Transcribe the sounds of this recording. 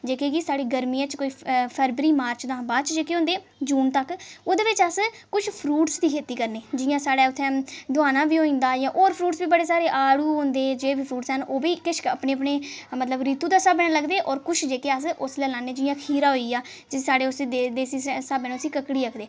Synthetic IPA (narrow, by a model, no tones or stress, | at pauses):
d͡ʒeːkeːkɪsaːɽiːɡəɾmiːãːt͡ʃkoːiːpʰəːɾbɾiːmaːɾt͡ʃd̪ãːbaːt͡ʃd͡ʒeːkeːɦõnd̪eː | d͡ʒuːnt̪əkoːd̪eːʋɪt͡ʃəs | kʊt͡ʃʰpʰɾuːʈsd̪iːkʰeːt̪iːkəɾneːd͡ʒɪjãːsaːɽaːʊt̪ʰːɛ̃ːd̪ʊaːnãːbiːɦoːĩːnd̪aːjãːʔoːɾpʰɾuːʈsbiːbəɽeːsaːɾeːʔaːɽuːɦõnd̪eːd͡ʒeːbiːpʰɾuːʈsənoːbiːkɪʃəpneːəp̬neːmət̪ləbɾiːt̪uːd̪aːsabnãːləɡd̪eːʔɔːɾkʊt͡ʃʰd͡ʒeːkeːəs̬ʊslɛːlaːnːeːd͡ʒɪjãːkʰiːɾaːɦoːiːaːd͡ʒɪsaːɽeːʊsed̪eːsiːsaːbenʊsiːkəkɽiːəkʰd̪eː